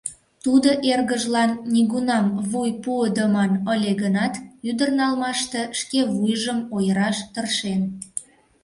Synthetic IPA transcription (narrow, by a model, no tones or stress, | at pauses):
t̪ud̪oʔerɣəʒlɑnːiɣunɑmβujpuəd̪əmɑnəlʲeɣənɑt̪yd̪ərnɑlmɑʃt̪e̽ʃkeβujʒəmojəɾɑʃt̪ərʃen